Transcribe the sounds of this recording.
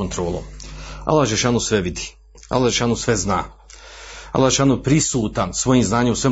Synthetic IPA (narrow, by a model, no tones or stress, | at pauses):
ont̪ɾoːlo̰a̰lːaʒeʃaːnusʋeʋid̪i̥ | a̰lːˠaeʃaːnusʋezna̰ː | a̰lːaʃaːnupɾisuːt̪ansʋo̞jiːmznaːɲemusʋem